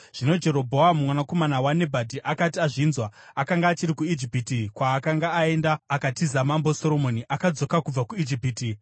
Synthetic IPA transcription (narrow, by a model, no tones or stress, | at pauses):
ʐ̥ino̞d͡ʒe̞ɾo̞bʱo̞amumwanako̞manawane̞bʱadʱiʔakatiaʐinzwaakaŋɡaːt͡ʃiɾikuid͡ʒipiːtikwaːkaŋɡaːe̞ndaːkatizamambo̞so̞ɾo̞mo̞niʔakad͡zo̞kakub͡vakuid͡ʒipiːti